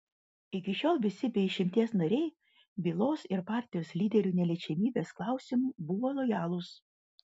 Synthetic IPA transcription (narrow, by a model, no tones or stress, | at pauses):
ɪkʲɪʃʲoːlˠʋʲɪsʲɪbʲɛɪʃʲɪmʲt̪ʲiɛsnɐɾʲɛɪ | bʲilˠoːsɪɾpɑːˑɾʲt̪ʲɪjoːslʲiːd̪ʲɛɾʲuːnʲɛlʲɛːt͡ʃʲɛmʲiːbʲeːsklˠɑˑʊsʲɪmuːbʊʋoːlˠɔjɑːlˠʊs